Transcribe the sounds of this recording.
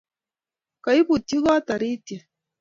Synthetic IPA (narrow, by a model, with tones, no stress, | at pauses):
ka˨i˦pu˨ti˦ɣa˦ta˨ɾi˦tɛ˨